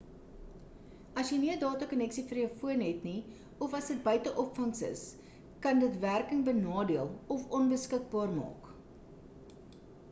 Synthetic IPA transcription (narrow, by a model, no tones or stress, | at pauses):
ɐsjəniədɑːtɐkɔnɛksifərjəwfuənɦɛtni | ɔfɐsdət̚bœɥtəʔɔpfɐnsə̰s | kɐndətværkəŋbənɑːdiəlˠɔfɔnbəskək̚bɑːrmɑ̰ːk